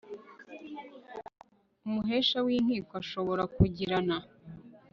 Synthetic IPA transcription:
umuɦe̞ʃawiːnhiːkwaʃo̞βo̞ɾakuɟiɾana

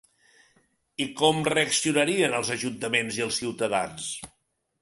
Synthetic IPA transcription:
ikɔmreəksiunəɾiənəlˠzəʒunt̪əmenziəlˠsiwt̪əða̰ns

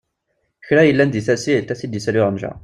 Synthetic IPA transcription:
çɾæjəlːænd̪iθæsit̪ːæθid̪isælyʁənʒæ̰

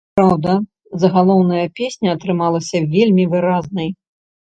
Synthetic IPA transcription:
pɾawd̪ɐ | zɐɣalˠɔwnɐjɐpʲesʲnʲɐɐt̪ɾɨmalˠɐsʲɐvʲelʲmʲivɨɾaznɐj

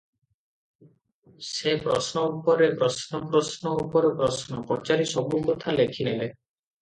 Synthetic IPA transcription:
sepɾɔsnɔupɔɾepɾɔsnɔpɾɔsnɔupɔɾepɾɔsnɔpɾɔt͡ʃaɾisɔbukɔt̪ʰalekʰiele

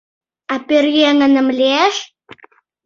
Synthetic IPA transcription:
aperjeŋə̆nə̆mleʃ

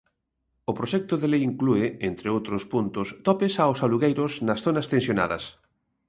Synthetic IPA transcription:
ʊpɾoʃɛk̚t̪oðelejiŋkluɪent̪ɾeowt̪ɾʊspunt̪ʊst̪ɔpɪsawsaluɣejɾʊsnɐsθonɐst̪ẽnsjona̰ðɐ̰s

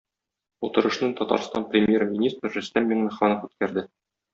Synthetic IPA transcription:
ut̪ɤ̆ɾɤ̆ʃnɤt̪ɒt̪ɑ̰ɾst̪ɑnprʲɪmʲjermʲinʲist̪ɾʒɵ̆st̪æmbʲiŋnɤχɑnɤfʉt̪kæɾd̪ɘ

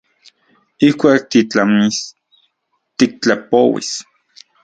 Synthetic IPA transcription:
ihkʷaːk̚t̪it͡ɬamis | t̪ik̚t͡ɬapowḭs

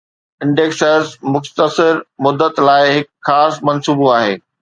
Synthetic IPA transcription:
ɪ̃ɳɖeːksəzmʊxt̪əsɪɾmʊd̪ət̪laːɪɦɪkxaːsmɐnsuːboaːɦḛː

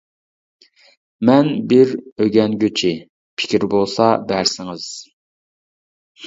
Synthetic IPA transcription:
mɛnbɪɾøɡʲɛnɡʲøt͡ʃʰɪ | pʰɪ̥kʲʰiɾbolˠsɑbæɾsɪŋɪz̥

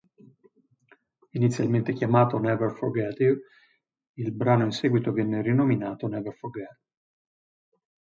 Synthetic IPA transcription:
init̪sːjalment̪ekjamaːt̪onɛvɛrforɡɛt̪iv | ilbɾaːnoinsɛɡwit̪ovjɛnːeɾinominaːt̪onɛvɛrforɡɛt̪

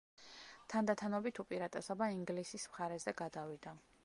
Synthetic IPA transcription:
t̪ʰand̪at̪ʰanɔbit̪ʰupʼiɾat̪ʼɛsɔbaiŋɡlisismχaɾɛzɛɡad̪avid̪a

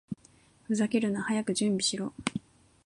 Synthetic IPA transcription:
ɸɯ̟zakeɾɯ̟nahajakɯ̟d͡ʑɨ̃mbʲiɕiɾoː

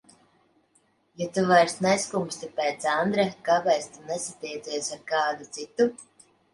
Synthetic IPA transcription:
jat̪uvajɾsnɛskumst̪ipɛːt̪sand̪ɾakabɛj̪st̪unɛsat̪ijd̪zʲiɛsaɾkaːd̪ut̪sit̪u

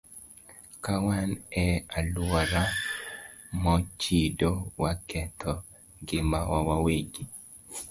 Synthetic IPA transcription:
kawanɛalwɔɾa | mɔt͡ʃidowakʰɛt̪ʰɔ | ɡɪmawawaweɡi

